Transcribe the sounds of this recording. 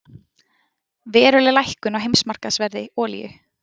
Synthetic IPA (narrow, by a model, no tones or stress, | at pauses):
vɛːɾʏlɪlajhkʏnawɦejmsmar̥kasvɛɾðɪɔːlḭjʏ̰